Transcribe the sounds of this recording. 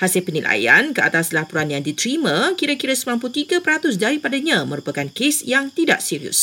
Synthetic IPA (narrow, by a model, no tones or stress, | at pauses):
hasɪlpənilʔa̰ja̰nkəʔa̰t̪aslapuɾanjaŋdit̪ɾimãkiɾakiɾasəmãmput̪iɡapəɾat̪ʊs̬daɾipadaɲãmə̃ɾupakankesjaŋt̪ida̰ʔsiɾiʊ̰s